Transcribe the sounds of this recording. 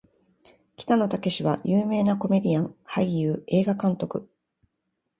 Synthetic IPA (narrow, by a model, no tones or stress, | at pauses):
kʲi̥t̪ano̞t̪ake̞ɕiβajɯːme̞ːnako̞me̞d̪ʲiãŋhaijɯːe̞ːɡakãnt̪o̞kɯ̟